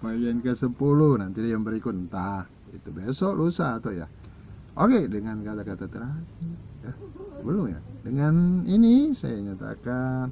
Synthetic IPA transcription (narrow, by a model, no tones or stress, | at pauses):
pajɛnkəsəpuluhnant̪idajaŋbəɾikʊt̪̚nt̪ah | ḭt̪ubesɔʔlusat̪oja̰ | ʔokedəŋankat̪akat̪at̪əɾasijabəlʊŋja̰dəŋaninisa̰jaɲat̪a̰kan